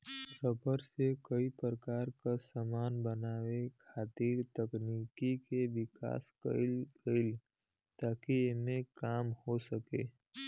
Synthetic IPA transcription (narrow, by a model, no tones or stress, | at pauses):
səbəɾsekəipəɾəkaːɾkasamaːnbənaːwekʰaːt̪iːɾt̪əkniːkikeʋɪka̰ːskə̰lɡəɪl | t̪aːkiɪmekaːmhosəkeː